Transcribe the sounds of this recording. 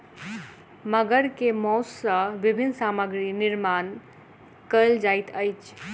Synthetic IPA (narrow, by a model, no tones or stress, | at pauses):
məɡəɾkemɔssəbibʱinsaməɡɾiniɾman | kəld͡ʒajt̪ʰəjt͡ʃʰ